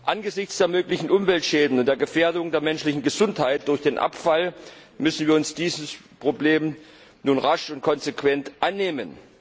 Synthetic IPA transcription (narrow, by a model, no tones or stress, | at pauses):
ʔanɡəzɪçt͡sd̥eːɐmøːklɪçn̩ʔʊmvɛltʃɛːdn̩ʊnt̚d̥eːɐɡəfeːɐdʊŋdeːɐmɛnʃlɪçn̩ɡəzʊnthaɪt̚d̥ʊɐçd̥eːnʔa̰pfal | mʏsn̩viːɐʊnsd̥iːzəspʁ̥obleːm | nuːnʁaʃʊnt̚kʰɔnzekv̥ɛntʔanːeːmən